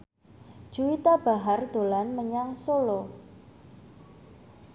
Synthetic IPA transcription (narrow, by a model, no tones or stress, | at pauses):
d̥ʒ̥uwit̪ab̥a̤ɦard̪̥o̤lanməɲaŋsolo